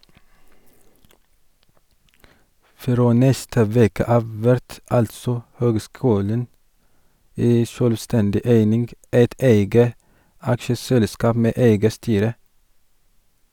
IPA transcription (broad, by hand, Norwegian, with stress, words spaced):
ˈfɾoː ˈnɛstə ˈʋeːkə ˈɑːʋ ˈʋæɾt ˈɑltsɔ ˈhøːɡˌskʉːlən ˈæɪ ˈʃøːlˌstɛndɪ ˈæɪnɪnɡ ˈæɪt ˈæɪɡə ˈɑkʃəsɛlˌskɑːp ˈmeː ˈæɪɡə ˈstyːɾə